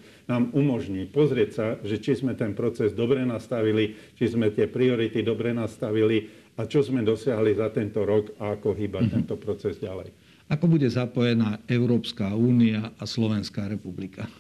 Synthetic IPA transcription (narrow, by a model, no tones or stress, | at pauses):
naːmumɔʒɲiːpɔzɾɪɛcsaʒɛt͡ʃizmɛt̪ɛnpɾɔt͡sɛzd̪ɔbɾɛnast̪aʋilit͡ʃizmɛt̪ɪɛpɾiɔɾit̪id̪ɔbɾɛnast̪aʋili | at͡ʃɔzmɛd̪ɔsɪaɦlizat̪ɛnt̪ɔɾɔɡaakɔɦiːbat̪ɛnt̪ɔpɾɔt͡sɛzɟalɛ̰j | akɔbuɟɛzapɔjɛnaːɛʊɾɔːpskaːuːniaʔaslɔʋɛnskaːɾɛpublikʰa